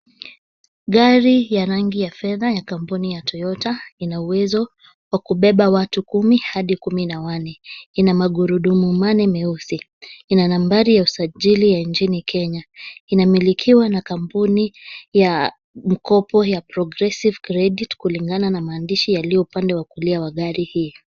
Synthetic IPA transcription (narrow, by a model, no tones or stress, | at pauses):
ɠaɾijaɾaŋɡijafɛðajakampunijatʰɔjɔtainauwɛzɔ | wakuɓɛɓawatukumihaɗikuminawanɛinamaɠuɾuɗumumanɛmɛusi | inanambaɾijausaʄilijant͡ʃinikʰɛɲainamilikʰiwanakampunija | m̩kɔpɔjapɾɔɡɾɛsivkɾɛɗitkuliŋɡananamaːndiʃijaliɔupandɛwakuliawaɠaɾihiː